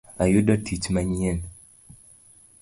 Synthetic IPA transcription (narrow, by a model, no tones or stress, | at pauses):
ajudɔtʰit͡ʃmaɲien